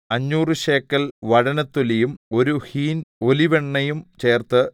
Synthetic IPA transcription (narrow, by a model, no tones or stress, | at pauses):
ɐɲːuːrɨɕe̞ːkːɐlʋɐɽɐnɐt̪ːulijumo̞ɾuhiːno̞liʋeɳːɐjumt͡ɕe̞ːrt̪ɨ